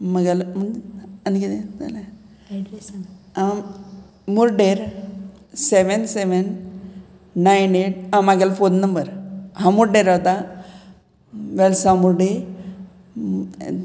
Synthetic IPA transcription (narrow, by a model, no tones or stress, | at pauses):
məɡalm̤əɳankit̪ẽd͡za̰la | a | muɾɖeɾ | seʋənseʋən | aineʈ̚amaɡalfonːəmbəɾhãmuɾɖeɾaʋt̪a | ʋɛlsamuɾɖe